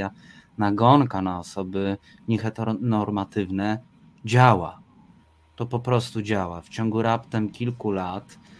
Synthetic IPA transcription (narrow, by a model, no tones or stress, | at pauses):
a | naɡɔŋkanaɔsɔbɘ | ɲɛxɛt̪nɔɾmat̪ɘvnɛ | d͡ʑawa̰ | t̪ɔpɔpɾɔst̪ud͡ʑawaft͡ɕɔŋɡuɾapt̪ɛmkʲilkulat̪